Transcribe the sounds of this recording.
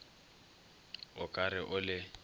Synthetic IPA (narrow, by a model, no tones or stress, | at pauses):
ʊkʼaɾɪʔʊlɪ